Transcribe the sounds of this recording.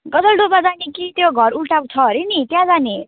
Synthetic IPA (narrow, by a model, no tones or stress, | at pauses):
ɡʌd͡zʌlɖobãd͡zanekit̪joɡʱʌɾulʈakt͡sʰʌɦʌɾinit̪jãd͡zane